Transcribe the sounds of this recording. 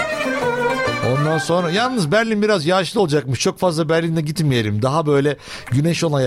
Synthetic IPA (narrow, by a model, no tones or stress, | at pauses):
o̞nd̪anso̞nɾajalˠnɯzbæɾlʲinbiɾazjaːʃlˠɯolˠad͡ʒakmɯʃt͡ʃʰo̞kfazlˠabæɾlʲind̪ɛɟit̪mije̞ɾʲimd̪aɦabø̞jlʲɛ | ɟyneʃo̞naj